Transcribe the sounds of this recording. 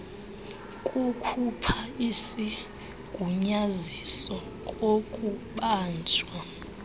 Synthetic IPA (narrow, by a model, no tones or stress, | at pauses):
kʼukʰupʰaisi | ɡ̥ʱuɲazisɔ | kʼokʼuɓaːnd͡ʒʱwa